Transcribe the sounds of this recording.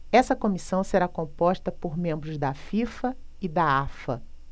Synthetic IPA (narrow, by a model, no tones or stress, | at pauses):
ɛsɐkõmisɐ̃w̃seɾakõpɔʃt̪ɐpoɾmẽmbɾʊzd̪ɐfifɐid̪aafɐ̰